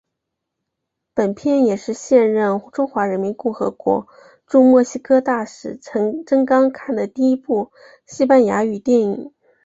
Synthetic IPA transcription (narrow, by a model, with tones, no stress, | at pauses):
pə˨˩npʰjɛ˥˩njɛ˨˩ʂɻ̩˥˧ɕjɛ˥˧nɻə˥˩nʈ͡ʂʊ˥ŋxwa˧˥ɻə˧˥nmi˧˥nkʊ˥˩xɤ̰˧˥kwɔ̰˧˥ | ʈ͡ʂu˥˧mwɔ˥˩ɕi˥kʰɤ˥t̪a˥˩ʂɻ̩ʰ˥˩˧ʈ͡ʂə˥ŋkɑ˥ŋkʰa˥˩nd̪ə˩t̪i˥˩i˥pu˥˩ | ɕi˥pa˥˩nja˧˥y˨˩t̪jɛ˥˩nḭ˨˩˦